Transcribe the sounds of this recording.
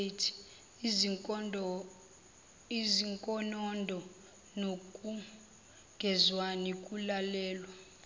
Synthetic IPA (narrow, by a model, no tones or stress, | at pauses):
tʰi̥ | iziŋkʼɔnɔndʱɔ | nokʼu | ŋɡʱɛzwanikʼulalɛːlwa